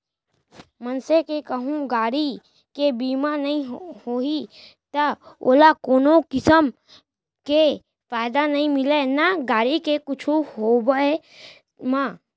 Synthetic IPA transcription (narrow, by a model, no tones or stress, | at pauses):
mənsekekəɦũɡaːɽi | kebiːmanɐɦĩhoːi | t̪əo̰ːlakoːnokɪsəm | ke | faːɪd̪anɐɦĩmɪlenaɡaːɽikekʊt͡ʃʰuɦobəe | maː